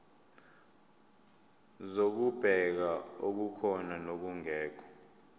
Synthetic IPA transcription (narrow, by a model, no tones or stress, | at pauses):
zok̬ub̥ʱɛk̬aok̬ukʰɔnanok̬uŋɛːk̬ʰɔ̥